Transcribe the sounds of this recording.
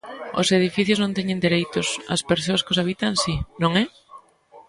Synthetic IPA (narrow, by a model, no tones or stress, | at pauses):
o̰seðifiθjʊznõnt̪ɛɲẽnd̪eɾejt̪ʊsɐ̰speɾsoɐskosaβ̞it̪aŋsinõŋɛ